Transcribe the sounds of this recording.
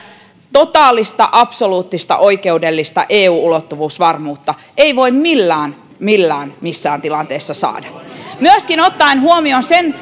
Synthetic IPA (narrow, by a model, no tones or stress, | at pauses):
t̪ot̪ɑːlːˑist̪ɑ̰ʔɑpsoluːt̪ːist̪ɑ̰ʔoikeudelːist̪ɑ̰ʔeːuːulot̪ːuʋuːsʋɑrmuːt̪ːɑ | eiʋoimmilːæːn | milːæːnmisːæːnt̪ilɑnt̪eːsːɑsɑ̰ːdɑmyøskinot̪ːɑinɦuomionsen